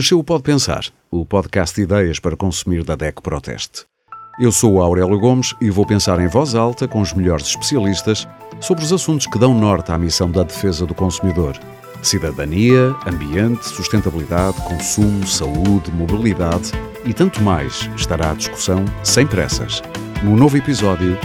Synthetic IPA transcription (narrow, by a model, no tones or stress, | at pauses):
ɐʃewupɔðpẽsa̰ɾ | upɔðkast̪̚d̪iðɛjɐʃpɐɾɐkõsumiɾðɐðɛkpɐɾɔt̪ʰɛ̰ʃt̪ | ewsouawɾɛlˠjuɣomʃivopẽsaɾẽj̃vɔzalˠt̪ɐkõuʒmʎɔɾzʃpɨ̥siɐlˠiʃt̪ɐʃsoβɾuzɐsũnt̪u̥ʃkɨðɐ̃w̃nɔɾt̪amisɐ̃w̃d̪ɐðɨfezɐðukõsumiðoɾ | siðɐðɐniɐɐ̃mbiẽnt̪suʃt̪ẽnt̪ɐβlˠiðaðkõsumusɐuðmuβilˠiðað | it̪ɐ̃nt̪umajʃʃt̪aɾaaðiʃku̥sɐ̃w̃sɐ̃j̃pɾɛ̰sɐ̰ʃnunovuipizɔðju